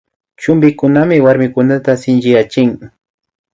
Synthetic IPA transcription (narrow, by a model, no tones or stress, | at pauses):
t͡ʃʊmbɪkʊnamɪwaɾmɪkʊnat̪asɪnt͡ʃɪjat͡ʃɪŋ